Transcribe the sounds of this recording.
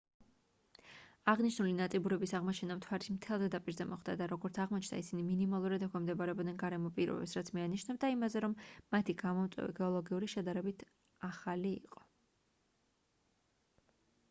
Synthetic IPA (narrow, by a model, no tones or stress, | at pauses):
aʁniʃnulinat̪sʼibuɾɛbisaʁmɔt͡ʃʰɛnamt̪ʰwaɾismt̪ʰɛlˠd̪ɛd̪apʼiɾzɛmɔχd̪a̰d̪aɾɔɡɔɾt̪sʰaʁmɔt͡ʃʰnd̪a̰isiniminimalˠuɾad̪ɛkʰʷɛmd̪ɛbaɾɛɔbd̪nɛnɡaɾɛmɔpʼiɾɔ̰bɛ̰psɾat̪sʰmianiʃnɛbd̪aimazɛɾɔmːat̪ʰiɡamɔmt̪sʼwɛ̰vḭɡɛɔlˠɔɡiuɾiʃɛd̪aɾɛbit̪ʰ | aχalḭːqʼɔ̥